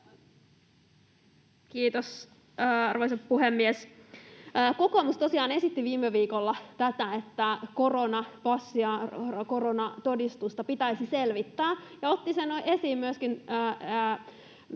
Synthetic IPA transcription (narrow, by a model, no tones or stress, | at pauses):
kiːt̪os | ɑrʋoisɑppuhemːiesː | ko̞ko̞must̪o̞siɑːne̞sit̪ːiʋiːmːeʋiːkolːɑt̪æt̪æet̪ːæko̞ronɑpɑsːiɑko̞ronɑt̪o̞dist̪ust̪ɑpit̪æisise̞lʋit̪ːæːjɑot̪ːisenoʔe̞siːmmyøskinː